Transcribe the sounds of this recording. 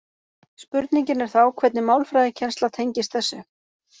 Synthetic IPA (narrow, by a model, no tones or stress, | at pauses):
spʏɾt̪niɲcɪnɛɾ̥θawkʰvɛt̪̚nɪmawlfɾajðɪcʰɛnst̪at̪ʰejɲcɪst̪θɛsːʏ